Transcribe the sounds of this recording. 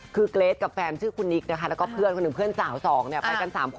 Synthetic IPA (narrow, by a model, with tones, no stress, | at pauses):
kʰɯː˧kleː˦˥t̪̚ka˨˩p̚fɛː˧nsʰɯː˥˩kʰu˧nːi˦˥k̚na˦˥kʰa˥lɛː˦˥wkɔː˥˩pʰɯ˥˩ənkʰo˧nː˨˩pʰɯ˥˩ənsaː˩˦wsɔː˩˦ŋni˥˩ɐppa˧jka˧nsaː˩˦mkʰ